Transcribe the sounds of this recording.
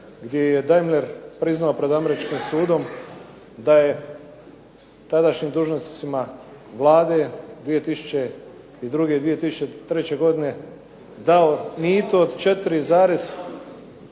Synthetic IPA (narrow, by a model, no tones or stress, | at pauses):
ɡd̪ʲje̞jed̪ajmleɾpɾiznaopɾe̞d̪ame̞ɾit͡ʃkimsuːd̪o̞m | d̪aje | t̪ad̪aʃɲimd̪uːʒnost͡s̪imaʋlˠaːd̪e̞d̪ʋije̞t̪isu̥t͡ʃe | id̪ɾuɡe̞d̪ʋije̞t̪isu̥t͡ʃet̪ɾe̞t͡ɕe̞ɡo̞d̪ine̞ | d̪aonit̪ood̪t͡ʃe̞t̪ɾizaːɾes